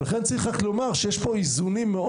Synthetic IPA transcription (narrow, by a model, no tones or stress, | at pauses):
laχent͡siχaklo̞maʁʃejeʃpo̞izunimːeʔ